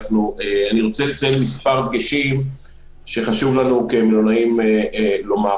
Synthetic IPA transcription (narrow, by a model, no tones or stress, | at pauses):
fnueaniʁo̞t͡selet͡sajelmispaʁt̪ɡeʃim | ʃe̞χaʃuvlanuke̞melonaimeelo̞ma